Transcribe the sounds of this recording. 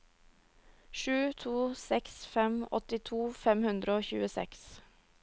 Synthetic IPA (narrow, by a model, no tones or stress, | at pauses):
ʃʉːt̪ʰuːsɛksfɛmɔ̰t̪ɪt̪ʰuːfɛmhʉnd̪ɾəoːçʉ̰ːəsɛ̰ks